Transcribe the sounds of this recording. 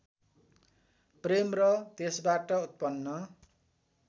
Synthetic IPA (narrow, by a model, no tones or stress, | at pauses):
premrʌt̪esbaʈʌut̪̚pʌnːʌ